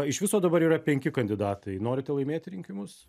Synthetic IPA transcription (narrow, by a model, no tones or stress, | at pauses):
ɪʃʋʲɪsoːd̪ɐbɐɾiːrɐpʲɛŋʲkʲɪkɐnʲd̪ʲɪd̪ɑːt̪ɐɪnoːɾʲɪt̪ʲɛlˠɐɪmʲeːt̪ʲɪɾʲɪŋʲkʲɪmʊs